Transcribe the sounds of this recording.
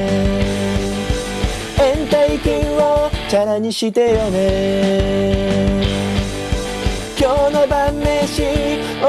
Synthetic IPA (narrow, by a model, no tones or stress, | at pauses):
ẽnt̪aikĩɰot͡ɕanaɲ̟iɕit̪ejone | kʲoːnobamːeɕi | o